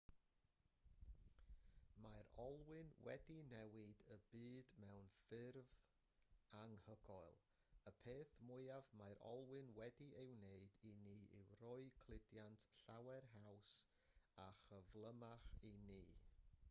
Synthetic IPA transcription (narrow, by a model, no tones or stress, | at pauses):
majɾɔlˠwɪnwɛ̰dinɛwɪdəbiːdmɛwnfɪrð | aŋhəɡɔɨlˠ | əpʰeːθmʊɨavmajɾɔ̰lˠwɨnwɛdiʔewneɨdiniːʔɪwrʊɨkʰlˠɪdjantʰɬawɛrɦaws | aχəvlˠəmaχiniː